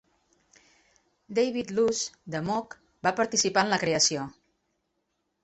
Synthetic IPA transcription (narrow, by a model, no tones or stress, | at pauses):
d̪ejβit̪luzd̪əmɔk | bapəɾt̪isipaənləkɾeəsio